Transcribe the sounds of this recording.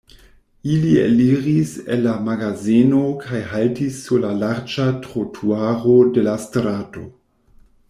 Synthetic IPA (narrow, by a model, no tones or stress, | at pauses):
iliḛliʁisḛnːamaɡazinokʰajhaltisːuɾlalaɾd͡ʒatɾotʰuaʁo̞de̞lastɾaːto̞̰